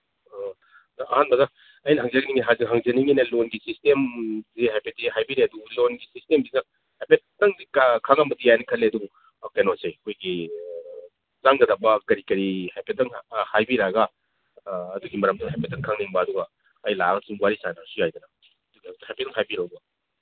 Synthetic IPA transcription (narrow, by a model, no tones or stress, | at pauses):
dɐʔɐhanbɐdɐ | ɐjnɐɦaŋzeɡɐniŋiɦazɦaŋzeniŋinɐlonɡisistemziɦajpʰet̚diɦajbiɾeɐdulonɡisistembinɐ | hajpʰettːɐŋdikkʰaŋɐmbɐdijajnɐkʰɐlːeɐdubu | kenosejɐkʰojɡi | zaŋɡɐdɐbɐkɐɾikɐɾihajpʰetːɐŋhajbiɾaɡɐː | duɡimɐɾɐmdunɦajpetːɐŋkʰaŋniŋbɐːduɡɐ | ɐjla̰ɡɐsiŋwaɾisanasujajd̪ɐnɐ | ɐduɡihajpetːɐŋɦajbiɾawbɐ